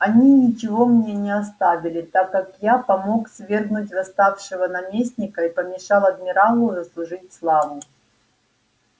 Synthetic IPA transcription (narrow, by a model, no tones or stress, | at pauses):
ɐnʲinʲɪt͡ɕɪvo̞mnʲe̞nʲɪɐst̪avʲɪlʲɪt̪akːakjapɐmo̞ksvʲe̞rɡnʊtʲvɐst̪afʂɨvənɐmʲesʲnʲɪkəipəmʲɪʂɑlˠɐd̪̚mʲɪɾalˠʊzəslˠʊʐɨtʲslˠavʊ